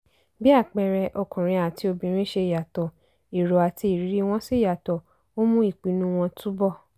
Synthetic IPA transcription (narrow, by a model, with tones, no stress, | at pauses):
bi˦a˦˨k͡pɛ˨˧ɾɛ˧ʔɔ˧kũ˨ɾ̃ĩ˧a˨ti˧o˧bĩ˨˦ɾ̃ĩ˦ʃe˧˨ja˨tɔ˨ | i˨ɾo˨a˨ti˧i˨ɾi˨˦ɾi˦w̃ɔ̃˦si˦˨ja˨tɔ˨ | o˦mũ˦i˦˨k͡pi˨˦nũ˦w̃ɔ̃˧tʰu˦bɔ˦˨